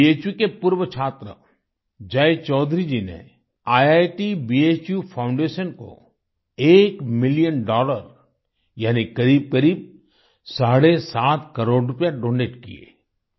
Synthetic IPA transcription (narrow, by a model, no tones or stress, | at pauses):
ieːt͡ʃjukepuɾwət͡ʃʰaːt̪ɾə̰ | d͡ʒɐjt͡ʃɔːd̪ʱɾid͡ʒinḛ | aːjaːjʈibieːt͡ʃjupʰaʊ̃ɳɖeːʃənko̰ | eːkmɪlijənɖɔːləɾ | jaːnikɐɾiːb̚kɐɾiːb̚ | saːɽesaːt̪kɐɾoːɽɾʊpjaɖõːneːʈkḭḛː